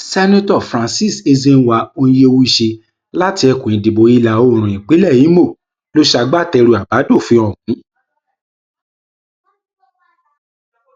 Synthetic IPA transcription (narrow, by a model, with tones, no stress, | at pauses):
sɛ˦nã˦tɔ˦˨fɾã˨˧nsi˦˨se˧ze˧n̩˦wa˧õ˧je˧o˧wu˦i˧˨ʃe˧ | la˦ti˧ɛ˧ku˨ĩ˨di˨bo˨˦i˧la˨o˧˨ɾ̃ũ˨ĩ˨k͡pi˨˦lɛ˦˨ji˨˦mo˦˨ | lo˦ʃa˧ɡ͡ba˦˨tɛ˧ɾu˧a˨ba˨˦do˦˨fĩ˧˦ɔ˨ũ˨ĩ˨˦